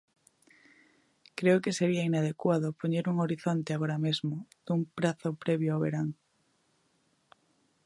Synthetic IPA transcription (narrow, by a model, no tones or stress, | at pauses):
kɾeʊkeseɾiainað̞ekwaðʊpoɲeɾuŋoɾiθont̪eaɣoɾamezmʊð̥umpɾaθʊpɾɛβjoawβeɾaŋ